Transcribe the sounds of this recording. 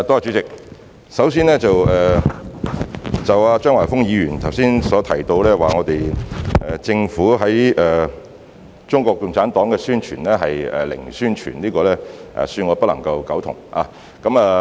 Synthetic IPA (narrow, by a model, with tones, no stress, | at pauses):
t̪o˥a˧t͡ʃy˨˧˥t͡sɪ˨k̚ | sɐ˨˥ws̬iː˥nlɛː˥t͡sɐ˨wɛː˨˩ | t͡sɐ˨waː˧t͡ʃœː˥ŋwaː˨˩jfʊ˥ŋjiː˨˧ɥyː˨˩nt̪ʰɐ˨˩wsiː˥nsɔː˨˥t̪ʰɐ˨˩jt̪o˧wlɛː˥waː˨˩ŋɔː˨˧t̪e˨jʔɛː˨t͡sɪ˧ŋfuː˨˥ɦɐ˨˥jɛː˨ | t͡ʃʊ˥ŋkʷɔː˧k̚ːʊ˨ŋt͡sʰaː˨˥nt̪ɔː˨˥ŋkɛː˧syː˥nt͡ʃʰy̰ː˨˩nlɛː˥ɦɐ˨jɛ̰ː˨lɪ̰˨˩ŋsyː˥nt͡ʃʰy̰˨˩nliː˥kɔː˧lɛː˥ʔɛ̰ː˨˩syː˧nŋɔː˨˧pɐ˥lɐ̰˨˩ŋkɐ˧wkɐ˨˥wt̪ʰʊ̰˨˩ŋʔa̰ː˨˧ | kɐ˨˥maː˨